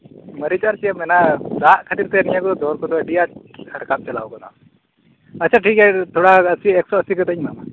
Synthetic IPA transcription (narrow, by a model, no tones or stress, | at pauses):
məɾit͡ʃaɾt͡ʃijəmɛnad͡zaʔkʰat̪iɾt̪ʰɛnijakɔɔd̪ʱɔɾkɔd̪ɔɖijaʈ̚həɾkap̚t͡ʃɛla̰ɔkɔna̰w | əːt͡ʃʰaʈʰikɛt̪ʰɔɽaəsiɛksɔəsiɡət̪əɲmama